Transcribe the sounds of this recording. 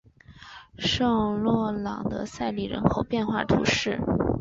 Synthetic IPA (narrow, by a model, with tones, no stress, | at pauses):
ʂɤ˥˧ŋlwɔ˥˩lɑ̰˨˩ŋd̪ə̰˧sa˥˧ɪli˨˩ɻə̰˧˥nkʰo˨˩ʊpjɛ˥˧nxwa̰˥˩t̪ʰṵ˧˥ʂɻ̩˥˩